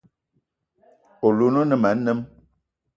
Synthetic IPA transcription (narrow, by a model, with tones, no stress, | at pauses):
o˨lu˨no˦nə˨ma˨˦nə˦m